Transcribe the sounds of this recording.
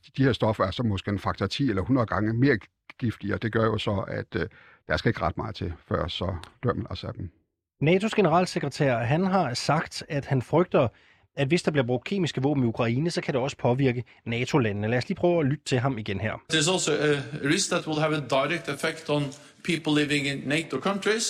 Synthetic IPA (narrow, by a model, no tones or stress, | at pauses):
d̥iheɐ̰sd̥ɒ̽fɐæɐsɒ̽mɒ̽sɡ̥e̝̰nfɑ̈ɡ̥t͡sʰɑt͡sʰḭːelɐhunɐð̩ˠɡ̥ɑ̈ŋəme̝ːɐ | ɡ̥ifd̥iɒd̥e̝ɡ̥ɶɐjo̝sɒ̽æd̥ | d̥æɐsɡ̥æe̝ɡ̥ʁɑ̈d̥mɑ̈ːð̩ˠt͡sʰe̝fɶɐ̰sɒd̥øɐ̰ml̩ɑsæb̥m̩ | nɛːt͡sʰo̝sɡ̥e̝nəʁɑ̰̈ːlseɡ̥ʁət͡sʰæ̰ɐ̰ɦænɦɑ̈sɑ̈ɡ̥d̥æd̥hænfʁœɡ̥̚d̥ɐ | æd̥ʋe̝sd̥ɑb̥liɐ̥ʁoɡ̥̚kʰe̝̰ːmisɡ̥əʋɔ̰̽ːb̥m̩iukʰʁɑ̈iːnəsɒ̽kʰæɾ̥e̝ɒ̽sə̥pʰɒ̽ʋiɐɡ̥ə | nɛːt͡sʰo̝lænənəlæɐsliːpʰʁœːʊælyd̥ət͡sʰe̝lɦɑ̈miɡ̥enhæɐ̰ðəzɔlˠsoəəɹɪsk̚ðæt̚wɪlˠævədaɪɹɛk̚tɨfɛktn̩ | pʰipl̩ˠlɪvɪ̃ŋɪ̃nːeɪtokʰʌ̃ntɹ̥is